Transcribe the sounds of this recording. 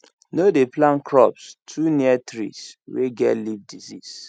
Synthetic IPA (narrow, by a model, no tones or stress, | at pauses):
nodeplãnkɹɔpstʰuniatɾḭsweɡɛtlivdizis